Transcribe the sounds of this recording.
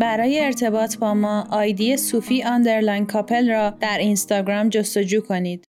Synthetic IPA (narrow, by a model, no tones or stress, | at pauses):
bæɾɒːjeːɾt̪ʰe̞bɒːt̪ʰbɒːmɒːʔɒːjd̪ijesuːfiːɒnd̪e̞ɾlænkʰɒːpʰe̞lɾɒːd̪̥æɾinst̪ɒːɡɾɒːmd͡ʒo̞st̪o̞d͡ʒuːkʰo̞niːd̪̥